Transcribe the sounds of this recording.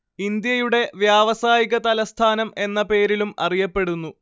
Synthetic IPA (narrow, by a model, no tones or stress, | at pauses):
ind̪jɐjuɽe̞ʋjaːʋɐsaːjiɣɐt̪ɐlɐst̪ʰaːnɐme̞nːɐpe̞ːɾilumɐ̰rijɐpːe̞ɽunːu